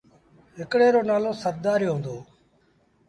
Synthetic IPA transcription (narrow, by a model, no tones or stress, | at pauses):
ɦɪkɽeːɾoːnaːlõːsəɾd̪aːɾjoːɦõːnd̪oː